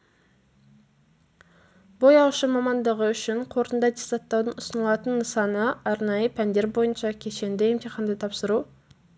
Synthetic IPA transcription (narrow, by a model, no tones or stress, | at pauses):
bo̞jɑwʃəmɑmɑnd̪əʁəʏʃɪɴqʰo̞ɾənd̪ɑd̪eszɑt̪ːɑwd̪ənʊsənəlˠɑt̪ənːəsɑnəɑɾnɑjəpʰænd̪e̞ɾbo̞jənʃɑkʲʰe̞ʃe̞nd̪eemt̪eχɑnd̪ət̪ʰɑpsəɾu